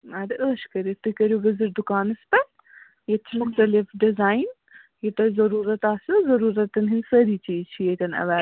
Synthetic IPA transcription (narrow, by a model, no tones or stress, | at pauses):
ɐd̪ɨʔəːʃkɐɾit̪ːɨkɐɾjoɡɐzɨɾd̪ukaːnɨspɐn | jɐt͡ʃʰimʊxt̪ɐlɪfɖɪzaːjn | jit̪ɐzɐɾuːɾɐt̪aːsjozɐɾuːɾɐt̪ːɨnɦinsəɾiːt͡ʃiːzt͡ʃʰijet̪ɐnɐ̰ʋaː